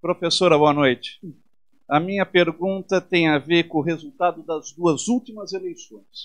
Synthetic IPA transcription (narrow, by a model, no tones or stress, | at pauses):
pɾofesoɾɐboɐnojt͡ʃɪ̥ | ɐmĩɲɐpeɾɡũt̪ɐt̪ẽj̃aveɾkõʊɦezut̪ad̪ʊd̪ɐzd̪uɐzuwt͡ʃimɐzelejsõj̃s